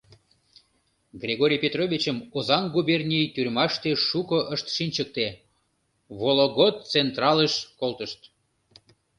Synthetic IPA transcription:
ɡrʲeɣoɾʲijpʲet̪rovʲit͡ɕəmozɑŋɡubʲernʲijt̪yrʲmɑʃt̪eʃukəʔəʃt̪ʃinʲt͡ɕək̚t̪e | βoloɣot̪̚t͡sent̪rɑləʃkolˠt̪əʃt̪

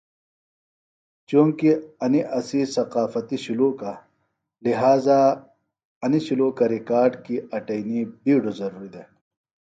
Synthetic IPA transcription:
t͡ɕũːŋkiɐniʔɐsisɐqaːfɐt̪iɕuluːka | liɦaːza | ɐniɕuluːkɐɾikaːɾɖkiɐʈɐjnibiːɖozɐɾuːɾid̪e

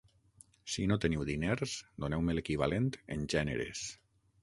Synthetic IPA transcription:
sinot̪əniwðineɾsd̪onɛwmelekiβalent̪ḛnʲʒɛnḛɾḛs

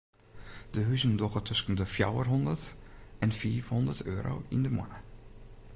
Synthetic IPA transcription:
d̥əɦyzəndɔɣətʰɵsən̩dəfja̰wərɦɔndərtʔɛnfiːfhɔndərtʰø̰ːɾo̰ːḭndəmɔ̰nə

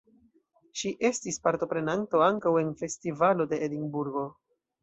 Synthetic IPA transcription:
ʃiʔe̞stispaɾto̞pɾe̞nanto̞aŋkawe̞nfe̞stivalo̞de̞ʔːdinbuɾɡo̞

